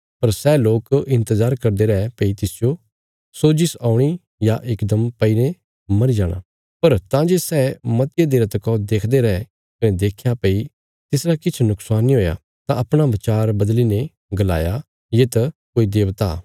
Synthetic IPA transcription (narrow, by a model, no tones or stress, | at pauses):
pɐɾsɛːloːkɪ̃nt̪əzaːɾkɐɾd̪eɾɐɛpeit̪ɪsjo | sod͡ʒɪsaːʊɽ̃i | jaʔeːkd̪əmpɐiɾẽ | mɐɾid͡ʒaːɽ̃a̰ː | pɐɾt̪ãːd͡ʒesɛːmɐt̪jed̪eɾɐt̪kɔd̪eːkʰd̪eɾɐɛ | kɐnɛd̪eːkʰjapei | t̪ɪsɾakɪt͡ʃʰnʊksaːnːiɦoːja̰ | t̪ãɐpɽ̃aʋɪt͡ʃaːɾbɐd̪line | ɡɐla̰ːja | jet̪ɐkoːid̪eːʋt̪a̰ː